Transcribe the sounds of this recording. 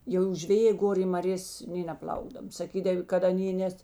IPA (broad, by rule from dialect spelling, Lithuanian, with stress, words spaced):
jɛʊ ʒʲʋʲɛˈjeː ˈɡoːr ɪ mɐˈrʲeːs nʲeː nʲɛˈplˠɐʊɡdɐw sɐˈkʲiːdɐw kɐt ɐˈnʲeː ˈnʲɛs